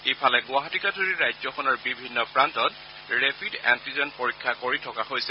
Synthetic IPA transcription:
ejpʰalɛɡʊaɦɔtikadoɹiɹajzɔxɔnɔɹbibʱinːɔpɹantɔt | ɹepʰidɛ̰ntizɔnpoɹikʰːakoɹitʰɔkahojsɛ

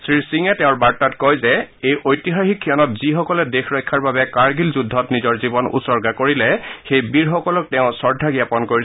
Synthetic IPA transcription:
sɹisiŋɛtɛʊ̃ɹbaɹtatkɔjzɛejʔojtiɦaxikʰːijɔnɔtz̥ixɔkɔlɛdexʰɹɔjkʰaɹbabɛkaɹɡilzudʱːɔtnizɔɹzibɔnṵsɔɹɡakoɹilɛxejbiɹxɔkɔlɔk̚tɛʊ̃sɔɹdʱaɡijapɔnkoɹi

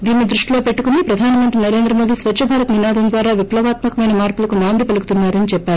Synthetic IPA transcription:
d̪iːnːid̪ɾuʂʈiloːpe̞ʈːukunipɾɐd̪ʱaːnɐmɐnt̪ɾinɐɾe̞ːnd̪ɾɐmoːd̪isʋɐtːʃɐbʱaːɾɐt̪ninaːd̪ɐmnd̪ʋaːɾaːʋiplɐʋaːt̪mɐkɐmɐjnɐmaːɾpulɐkunaːnd̪ʱipɐlukut̪unːaːɾɐnit͡ʃɛpːaːɾuu

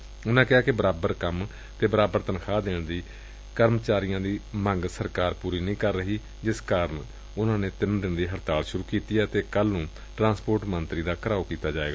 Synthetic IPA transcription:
ʊnãːkɪɦaːkɪbəɾaːbəɾkəm | t̪eːbəɾaːbəɾt̪ənkʰaːd̪eːɽd̪iː | kəɾmt͡ʃaːɾɪjãːd̪iːməŋɡsəɾkaːɾpuːɾiːnĩːkəɾːəɦiː | d͡ʒɪskaːɾən | ʊnãːneːt̪ɪnd̪ɪnd̪iːɦəɾt̪aːlʃʊɾuːkiːt̪iːɛːt̪eːkəlnũː | ʈɾãːspoːɾʈmənt̪ɾiːd̪aːkəɾaːokiːt̪aːd͡ʒaːḛːɡaː

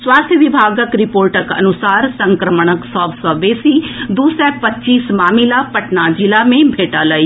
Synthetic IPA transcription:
swaːst̪ʰjəʋibʱaːɡəkɾɪpoːɾʈəkɐ̰nʊsaːɾsɐ̃ŋkɾəməɳ̃əksɔːʋsɔːʋeːsid̪uːsɛpɐtːt͡ʃiːsmaːmilapɐʈnad͡ʒɪlamẽbʱeːʈaːlɐi

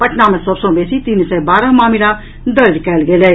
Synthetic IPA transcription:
pɐʈʰnamẽsəbsõbeːsit̪iːnsɛbaːɾəɦmaːmiɾa | d̪əɾd͡ʒkɛːlɡeːlɛ

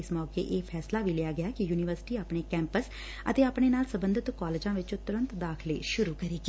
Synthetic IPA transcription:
ɪsmɔːkḛːʔeːpʰɛːslaːʋiːlɪjaːɡɪaːkɪjuːnɪʋəɾsɪ̥ʈiːaːpɳeːkɛ̃ːmpəs | ə̰t̪eːaːpɳ̃eːnaːlsəbə̃nd̪ʱɪt̪kɔːleːd͡ʒãːʋɪt͡ʃõːt̪ʊɾə̃nt̪d̪aːkʰlḛːʃʊɾuːkəɾiːɡi

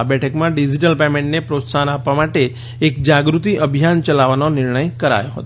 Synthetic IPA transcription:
abɛʈʰəkmãɖid͡ʒiʈəlpemẽɳʈnepɾot̪sanapʋamaʈe | ekd͡ʒaɡɾut̪iʔəbʱijant͡ʃəlaʋanonɪɾɳəjkəɾa̰joɦə̰t̪o

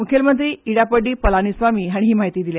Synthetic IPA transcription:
mukʰelmənt̪ɾiːiɽapəɖːiːpəlanisʋamiːɦaɽ̃iɦiːmaɦit̪iːd̪ilja

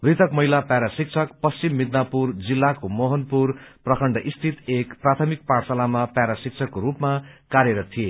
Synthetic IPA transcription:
brit̪ʰʌkmʌɦilapaɾasik̚t͡sʰʌkpʌst͡simːid̪napurd͡zilːakomoɦʌnpurprʌkʰʌɳɖʌʔist̪ʰit̪ekprat̪ʰʌmik̚parsalamapjaɾasik̚t͡sʰʌkːoɾupmakaɾjʌɾʌt̪ʰije

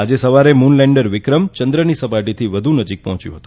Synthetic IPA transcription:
ad͡ʒesəʋaɾemunlɛɳɖəɾʋɪkɾəmt͡ʃənd̪ɾənisəpaɾʈit̪ʰiʋəd̪ʱunəd͡ʒik̚pɔɦɔ̃t͡ʃjṵ̃ɦə̥t̪ũ

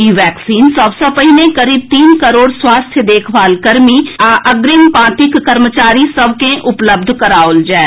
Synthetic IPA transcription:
iʋɛːksiːnsəbsəpəɦinekəɾiːb̚t̪iːnkəɾoːɽswaːst̪ʰjəd̪eːkʰʋaːlkəɾmiaʔəɡɾɪmpãːt̪ɪkːəɾmət͡ʃaːɾisəʋkẽʔʊpləb̚d̪ʱkəɾaːold͡ʒɛː

